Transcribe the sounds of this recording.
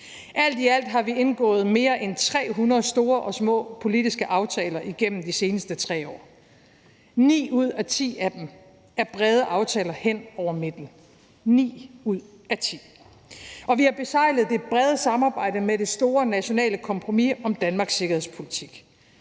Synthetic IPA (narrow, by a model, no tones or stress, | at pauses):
ʔæl̰d̥iæl̰d̥ɦɑ̈ʋie̝nɡ̥ɔ̰̽ːð̞̩ˠme̝ːɐʔent͡sʰʁɛ̰ːɦunɐð̩ˠsd̥o̝ːɐʔɒ̽smɔ̰̽ːpʰo̝lidisɡ̥əʔɑ̈ʊt͡sʰɛːlɐʔiɡ̥em̰m̩d̥ise̝ːnəsd̥ət͡sʰʁɛ̰ːɒ̰ː | nḭːuð̞̰ˠæt͡sʰḭːæd̥em | æɐb̥ʁɛð̞ˠəʔɑ̈ʊt͡sʰɛːlɐhen̰ɒʊɐme̝d̥n̩ | nḭːuð̰ˠ | æt͡sʰḭː | ɒ̽ʋihɑ̈b̥e̝sɑ̈ɪ̰ləð̩ˠd̥e̝b̥ʁɛð̞ˠəsɑ̈mɑ̈ːb̥ɑ̈ɪ̰d̥əmeɾ̥e̝sd̥o̝ːɐnæɕo̝nɛ̰ːləkʰɒ̽mpʰʁo̝miɒ̽md̥ænmɑ̈ːɡ̥sːe̝ɡ̥ɐhe̝spʰo̝lit͡sʰiɡ̥